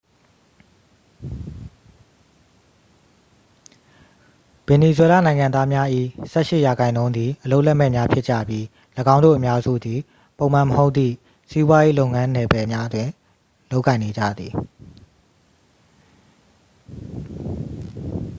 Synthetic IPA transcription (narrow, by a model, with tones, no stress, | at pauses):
b̥ɛ˨ni˨zwɛ˦la̰˦˨nã˨ɪ̃ŋã˨nd̪a˦mja˦ʔḭ˦˨sɛ˦˨ʃɪ˦˨ja˨ɡã˨ɪ̃nõ˦ʊ̃nd̪ði˨ʔəlo˦ʔlɛ˦ʔmɛ˦˨mja˦pʰjɪ˦ʔt͡ɕä̰˦˨bji˦ | ləɡã˦ʊ̃nd̪o̰˦˨ʔə˨mja˦zṵ˦˨d̪i˨ | põ˨ʊ̃m̥ã˨məho˦ʊt̪ːḭ˦˨ | si˦bwa˦je˦lo˦ʊŋã˦nɛ˨bɛ˨mja˦ʔətwɪ̃˨ | lo˦ʊkːã˨ɪ̃ne˨d͡ʑa̰˦˨d̪ði˨